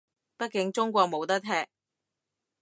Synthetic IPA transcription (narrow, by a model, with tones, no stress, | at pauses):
pɐ˥t̚kɪ˨˧˥ŋt͡sʊ˥ŋk̬ʷɔː˧k̚mo˨˧wt̪ɐ˥k̚t̪ʰɛː˧k̚